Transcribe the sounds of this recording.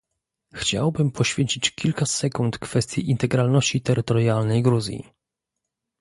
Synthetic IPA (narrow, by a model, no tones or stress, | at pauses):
xt͡ɕa̰wbɘmpʰɔɕfʲjeɲʲt͡ɕit͡ɕkʲilkasɛkunt̪kfɛst̪ʲjiʔint̪ɛɡɾalnɔɕt͡ɕit̪ɛɾɘt̪ɔɾjalnɛjɡɾuzʲjḭ